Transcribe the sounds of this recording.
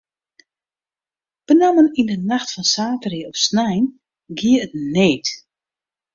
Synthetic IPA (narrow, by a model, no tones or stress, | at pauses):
b̥ənamənindənaxtfɔnsaːtəriəɔpsnɛjn | ɡiəət̚neːt